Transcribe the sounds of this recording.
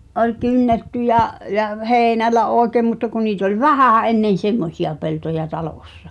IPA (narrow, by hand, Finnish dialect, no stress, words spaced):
olʲ kynːetːy jɑʔ jɑ heːĭnælːæ oˑekeˑm mutːɑ ku niːt olʲ ʋæhæˑ enːen̞ semːosiɑ peltojɑ tɑloˑsːɑ̥